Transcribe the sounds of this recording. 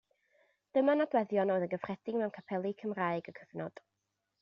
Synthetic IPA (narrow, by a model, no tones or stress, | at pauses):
d̥əmanadwɛðjɔnojðənɡəfr̥ɛd̥ɪɡmɛwnkʰapʰɛlˠikʰəmraːɨɡəkʰəvnɔd̥